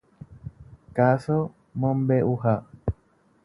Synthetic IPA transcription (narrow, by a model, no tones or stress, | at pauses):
kaso | mõmbeʔuɦa